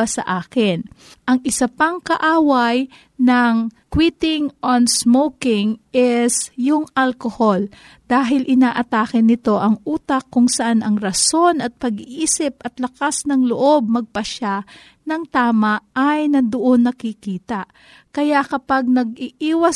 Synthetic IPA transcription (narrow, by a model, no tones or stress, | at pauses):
asɐ̰ʔaːkɪnʔɐŋʔɪsɐpaŋkɐʔaːwɐj | nɐŋkwiːt̪ɪŋʔonsmowkɪŋʔɛsjʊŋʔalkohol | d̪̥aːɦɪlʔɪnaːʔɐt̪aːkɪnːɪt̪o̞ʔɐŋʔuːt̪ɐkːʊŋsɐʔanɐŋɾɐso̞nɐt̪̚pɐɡiʔiːsɪp̚ʔɐt̪lɐkasnɐŋloʔo̞b̚mɐɡ̚pɐʃa | nɐŋt̪aːmɐʔːjnɐd̪ʊʔo̞nːɐkɪkiːt̪ɐʔ | kɐjaʔkɐpaɡ̚nɐɡ̚iʔiːwɐ